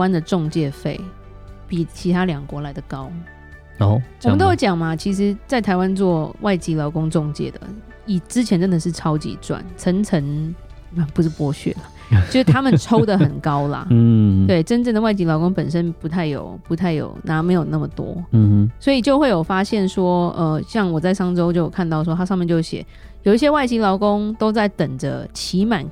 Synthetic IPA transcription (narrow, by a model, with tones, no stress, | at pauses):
wa˥nd̪ə˨ʈ͡ʂʊ˥˧ŋt͡ɕjɛ˥˧fe˥˩ɪ | pi˨˩t͡ɕʰi˧˥t̪ʰa˥ljɑ˨˩ŋkwɔ˧˥˦la˧˥ɪd̪ə˨kɑ˦˥ʊ | o˧˩ɔ˨m˨ə˨t̪o˥˩t͡ɕjɑ˨˩ŋma˦t͡ɕʰi˧˥ʂ̬ɻ̩˧˥t͡sa˥˩ɪt̪ʰa˧˥ɪwa˦nt͡swɔ˥˧wʔa˥˩ɪt͡ɕi˥lɑ˧˥ʊkʊ˥ŋʈ͡ʂʊ˥˧ŋt͡ɕjɛ̰˥˩d̪ə̰˩ | i˨˩ʈ͡ʂɻ̩˥t͡ɕʰjɛ˧˦nʈ͡ʂə˥nd̪ə˨ʂɻ̩˥˩ʈ͡ʂʰɑ˥ʊt͡ɕḭ˧˥ʈ͡ʂwa̰˨˩nʈ͡ʂʰə˧˥ŋt͡sʰə˧˥n˨˩ | pu˧˥ʂɻ̩˥˩pwɔ˥ɕɥɛ̰˥˩lə˩ | jʂ̩˥˩t̪ʰa˥mə˨ʈ͡ʂʰo˥ʊd̪ə˨xə˨˩nkɑ˦˥ʊlɐ̰˨t̪we˥˩ɪʈ͡ʂə˥nʈ͡ʂə˥˩ŋd̪ə˨wa˥˩ɪt͡ɕi˧˥lɑ˧˥ʊkʊ˥ŋpə˨˩nʂə˦˥npu˧˥t̪ʰa˥˩ɪjo̰˨˩ʊpu˧˥t̪ʰa˥˩ɪjo̰˨˩ʊna˨˥me˧˥ɪjo˨˩ʊna˥˩mə˨˩t̪wɔ̰˥˧swɔ˧˥i˨˩t͡ɕjo˥˧ʊxwe˥˩ɪjo˨˩ʊfa˥ɕjɛ˥˩nʂwɔ˥ə˧ɕjɑ˥˩ŋwɔ˨˩t͡sa˥˩ɪʂɑ˥ŋʈ͡ʂo˥ʊt͡ɕjo˥˩ʊjo˨˩kʰa˥˧nt̪ɑ˥˩ʊʂwɔ˥t̪ʰa˥ʂɑ˥˧mɛ˥˧nt͡ɕjo˥˩ʊɕjɛ̰˨˩˦ | jo˨˩ʊi˥˩ɕjɛ˥wa˥˩ɪt͡ɕi˧˥lɑ˧˥ʊkʊ˥ŋt̪o˥ʊt͡sa˥˩ɪt̪ə˨˩ŋd͡zə̰˦t͡ɕʰi˧˥ma˨˩˦n